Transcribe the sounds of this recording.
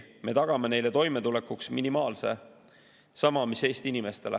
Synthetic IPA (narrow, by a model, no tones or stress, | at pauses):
me̞t̪ɑɡ̥ɑmene̞jle̞t̪o̞jme̞t̪ule̞kːuksminimɑːlse̞̰ | sɑmɑmise̞ːst̪inime̞st̪e̞le